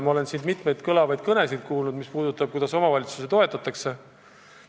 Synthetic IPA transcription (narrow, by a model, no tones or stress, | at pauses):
mɑo̞le̞nsind̪mit̪ˑme̞jd̪kɤlɑvɑjd̪̥̚kɤne̞sid̪̥̚kuːlnud̪mispuːd̪ut̪ːˑɑb̚kujd̪̥ɑso̞mɑvɑlʲit̪su̥se̞t̪o̞e̞t̪ːˑɑt̪ːˑɑkse̞